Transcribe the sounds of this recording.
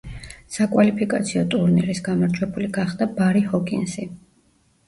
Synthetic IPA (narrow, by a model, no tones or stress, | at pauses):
sakʼwalipʰikʼat̪sʰiɔt̪ʼuɾniɾisɡamaɾd͡ʒwɛbuliɡaχd̪̥abaɾihɔkʼḭnsi